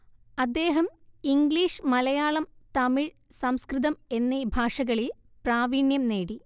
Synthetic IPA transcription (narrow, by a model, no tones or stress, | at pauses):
ɐd̪ːe̞ːɦɐmiŋɡliːʂɨmɐlɐjaːɭɐmt̪ɐmiɻ | sɐmskriðɐme̞nːibʱaːʂɐɣɐɭil | praːʋiːɳjɐmne̞ːɽi